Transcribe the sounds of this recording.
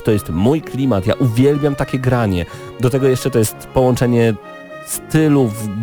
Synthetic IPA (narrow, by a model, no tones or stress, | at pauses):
t̪ɔjɛst̪mujklʲimat̪ja̰ʔuvʲjɛlbʲjamt̪akʲɛɡɾaɲɛ | d̪ɔt̪ɛɡɔjɛʂt͡ʂɛt̪ɔjɛst̪pɔwɔnt͡ʂɛɲɛ | st̪ɘluv